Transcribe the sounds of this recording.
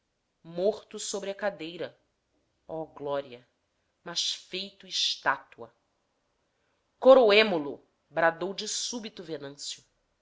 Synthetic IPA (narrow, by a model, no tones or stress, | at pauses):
moχt̪ʊsobɾɪɐkad̪ejɾɐ | ɔɡlɔɾiɐ | mɐʃfejt̪ʊiʃt̪at̪uɐ | koɾoemolʊ | bɾad̪owd͡ʒɪsubit̪ʊvenɐ̃sjʊ